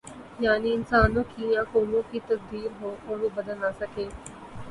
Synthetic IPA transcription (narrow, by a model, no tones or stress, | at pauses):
jaːniɪnsaːnõːkijãːkoːnõːkit̪ɐsd̪iːɾɦoːʔɔːɾʋobɐd̪əlaːsəkeː